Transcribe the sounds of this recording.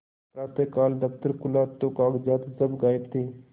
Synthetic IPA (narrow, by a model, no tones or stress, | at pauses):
pɾaːt̪ekaːld̪əkt̪əɾkʊlaːt̪ːokaːɡd͡ʒaːt̪səbɡaːjbt̪ʰiː